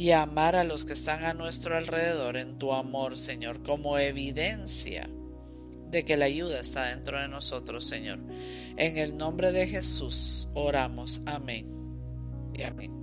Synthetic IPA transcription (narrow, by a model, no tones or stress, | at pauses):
iamaɾalo̞ske̞ːst̪aŋanwe̞st̪ɾoalre̞ðe̞ðo̞ɾe̞nt̪uamo̞ɾse̞ɲo̞ɾko̞mo̞e̞βiðe̞nsja̰ | ðe̞ke̞laʝuð̞aest̪aðe̞nt̪ɾo̞ð̞e̞no̞so̞t̪ɾo̞sːe̞ɲo̞̰ɾ | e̞ŋe̞lnõ̞mbɾe̞ðe̞xe̞suso̞ɾamo̞samẽŋ | aḛ